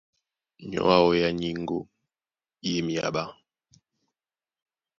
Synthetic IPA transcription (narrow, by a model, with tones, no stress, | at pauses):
ɲɔ̰˦a˦ɔ˦ja˦ɲi˦ŋ˦ɡo˦ | e˦mi˨a̰˨ɓa˦